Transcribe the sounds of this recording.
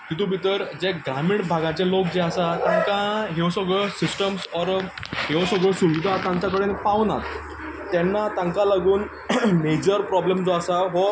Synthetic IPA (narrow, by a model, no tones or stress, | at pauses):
kit̪ubʱit̪əɾd͡ʑeɡɾamiɳʈbʱaɡãt͡ɕelokd͡ʑeasat̪ãŋkaɦeʋsɔɡəsisʈəmsɔɾɦeʋsɔɡɭəsuʋid̪ʱat̪ãɲt͡ɕak̬əɽenpawna̰t̪ | t̪ːɛnːat̪ãŋkalaɡuːn | med͡ʑəɾpɾɔblemd͡zɔasaɦɔ